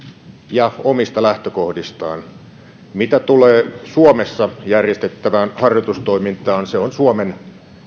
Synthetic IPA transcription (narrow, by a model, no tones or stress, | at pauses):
jɑomist̪ɑlæht̪økohdist̪ɑ̰ːn | mit̪æt̪uleːsuomesːɑjærjest̪et̪ːæʋæːnhɑrjot̪ust̪oimint̪ɑːnseonsuomen